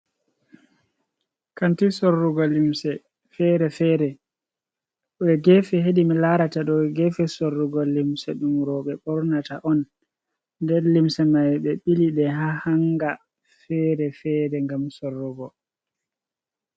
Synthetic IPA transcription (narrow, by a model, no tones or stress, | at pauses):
kantisorːuɡɔlimsɛ | fɛɾɛfɛːɾɛ | ɓɛɡɛfɛɦeɗimilaɾataɗɔɛɡɛfɛsorːuɡɔlimsɛɗumɾɔɓɛɓɔɾnataʔɔn | ndɛnlimsɛmajɓɛɓiliɗɛɦahaŋɡa | fɛɾɛfɛɾɛŋɡamsorːuɡɔ